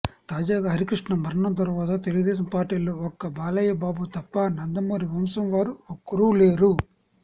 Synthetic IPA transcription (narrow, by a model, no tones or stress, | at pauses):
t̪aːd͡ʒaːɡaːɦɐɾikɾiʂɳɐmɐɾɐɳɐnt̪̬ɐɾuʋaːt̪̬ɐt̪eluɡud̪ɛːs̬ɐmpaːɾʈiːloːɔkːɐbaːlɐjɐbaːbut̪ɐpːɐnɐnd̪ɐmoːɾiʋɐmsɐmʋaːɾuokːɐɾuːleːɾu